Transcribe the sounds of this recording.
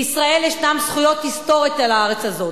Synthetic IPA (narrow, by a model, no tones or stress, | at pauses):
isʁae̞ljeʃtamsχujo̞t̪hist̪o̞ʁit̪alaaʁet͡ssazo̞